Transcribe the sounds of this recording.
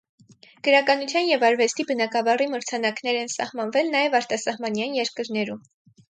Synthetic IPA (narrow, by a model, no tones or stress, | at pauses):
ɡ̥əɾɑkɑnut͡sʰjɑnjɛvɑɾvɛst̪ibənɑkɑvɑriməɾt͡sʰɑnɑknɛɾɛnsɑ̰hmɑnvɛlnɑjɛvɑɾt̪ɑsɑhmɑnjɑnjɛɾkəɾnɛɾum